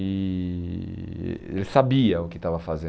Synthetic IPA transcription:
ɪ | elɪsabiɐʊkɪt̪avɐfazẽ

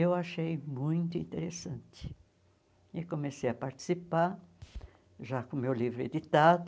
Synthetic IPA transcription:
ewaʃejmũj̃t̪ʊḭ̃nt̪eɾesɐ̃nt̪ɪ̥ | ɪkõmesejɐpaɾt͡ʃ̪i̥sipaɾ | ʒakõmewlivɾʊḛd̪it̪ad̪ʊ

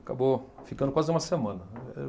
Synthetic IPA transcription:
akabofikɐ̃nd̪ʊkazɪũmɐsemɐ̃nɐɛ

